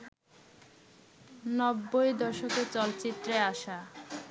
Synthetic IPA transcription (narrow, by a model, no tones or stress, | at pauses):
nɔbːojd̪ɔʃoket͡ɕɔlt͡ɕit̪ːɾeaʃa